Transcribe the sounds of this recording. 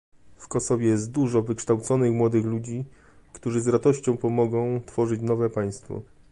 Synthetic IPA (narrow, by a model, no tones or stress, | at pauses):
fkɔsɔvʲjɛjɛst̪̚d̪uʐɔvɘkʂt̪awt̪sɔnɘxmwɔd̪ɘxlud͡ʑi | kt̪uʐɘzɾat̪ɔɕt͡ɕɔ̃w̃pɔmɔɡɔ̃w̃t̪fɔʐɘt͡ɕnɔvɛpaj̃st̪fɔ̰